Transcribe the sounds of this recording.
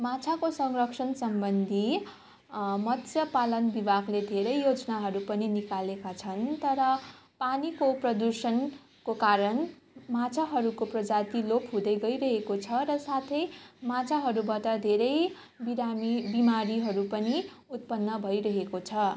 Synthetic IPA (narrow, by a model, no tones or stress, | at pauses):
mãt͡sʰakosʌŋrʌksʰʌnsʌmbʌnd̪ʱi | mʌt̪ʰjʌpalʌnbibaɡled̪ʱeɾʌjːod͡zʌnaɦʌɾupʌninikalekat͡sʰʌnt̪ʌɾʌpanikoprʌd̪usʌn | kokaɾʌn | mat͡sʰaɦʌɾukoprʌd͡zat̪ilopɦũd̪ʌjɡʌjɾʌɦekot͡sʰʌɾʌsat̪ʰʌjmãt͡sʰaɦʌɾubaʈʌd̪ʱeɾʌj | biɾamibimaɾiɦʌɾupʌni | ut̪̚pʌnːʌbʱʌjɾʌɦekot͡sʰʌ